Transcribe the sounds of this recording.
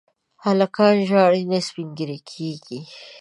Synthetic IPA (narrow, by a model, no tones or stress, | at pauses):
halakɑnʒɑɽinasbiŋɡiɾekʰeɡi